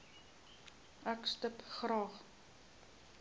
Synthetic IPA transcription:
ʔækstəpχrɑːχ

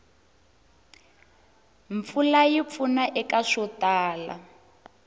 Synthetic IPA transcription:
ɱp̪fulajip̪funaʔɛkaʂɔtaːla̰

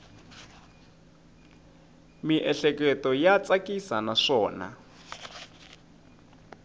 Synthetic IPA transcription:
miʔɛɬɛkɛtɔjat͡sakisanaʂɔːna̰

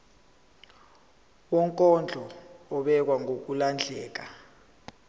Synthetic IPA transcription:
wɔŋkʼɔnd͡ɮʱɔːɓɛk̬waŋʱok̬uland͡ɮʱɛːk̬a

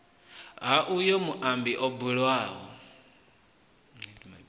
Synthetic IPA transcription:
ɦaʔujɔmuʔambiʔɔbuɺwaːɦɔ̰

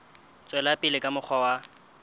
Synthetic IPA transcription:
t͡sʼwɛlapʼɪlɪkʼamʊk͡xʰɔwa

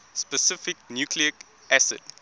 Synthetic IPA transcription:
spəsɪfɪknjukʰliə | ʔæsə̰d̥

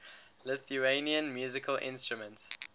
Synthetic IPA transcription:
lɪθueniə̃nmjuːzɪkʰəlʔɪ̰̃nstɹumə̃nts

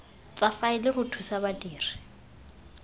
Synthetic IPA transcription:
t͡sʼafaɪlɪɣʊtʰusabatʼiːri̥

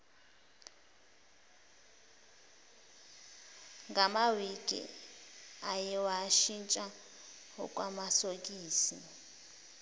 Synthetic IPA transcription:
ŋɡamawiɡ̥ʼʱḭ | ajɛwaʃint͡ʃʼa | ɦɔ̰kʼwamasokʼiːsi

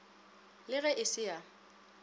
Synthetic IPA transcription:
lɪɣɛʔɪsɪja

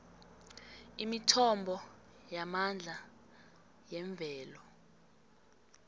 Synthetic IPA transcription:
imitʰɔmbʱɔ | jamand͡ɮʱa | jɛɱb̪vʱɛːlɔ

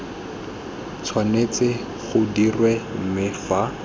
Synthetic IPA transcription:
t͡sʰwanet͡sɪ | χʊdirwɛm̩mɪfa

